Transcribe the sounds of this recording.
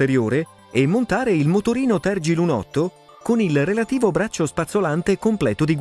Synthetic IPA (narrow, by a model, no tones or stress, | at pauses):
eɾjoːɾe | emːont̪aːɾeilmot̪oɾiːnot̪ɛrd͡ʒilunɔ̰t̪ːo | konilrelat̪iːvobɾat͡ʃːospat̪solant̪ekomplɛːt̪od̪iɡ